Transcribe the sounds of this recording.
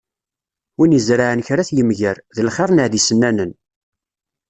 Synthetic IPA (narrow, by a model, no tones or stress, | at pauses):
winjəzɾaʕənçɾaθjəmʝəɾðəlχeɾˤnəʕðisənːænən